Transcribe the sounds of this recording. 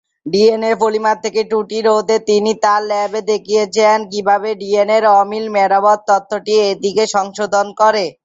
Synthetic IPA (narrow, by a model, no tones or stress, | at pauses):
ɖieneɾfolimat̪ʰːekeʈuʈiɾot̪et̪init̪aɾlɛbed̪ekʰijet͡ɕʰenk̬ibʱabeɖieneɾɔmilmeɾabɔd̪̚t̪ɔt̪ʰːoʈied̪ikeʃɔŋʃod̪ʱonkɔɾe